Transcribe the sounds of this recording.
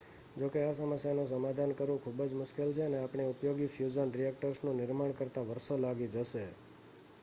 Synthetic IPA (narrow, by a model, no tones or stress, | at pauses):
d͡ʒokeasəməsjanũs̬əmad̪ʱankəɾʋũkʰubəd͡ʒmʊʃkelt͡ʃʰeəneapɳ̃eʊpjoɡifjud͡ʒənɾijɛk̚ʈəɾsnũnɪɾmaɳ̃kəɾt̪aʋəɾsolaɡid͡ʒəʃe